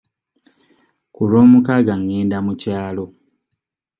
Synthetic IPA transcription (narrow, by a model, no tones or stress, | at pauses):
kuloːmukaɡaŋːeːndamucaːlo̞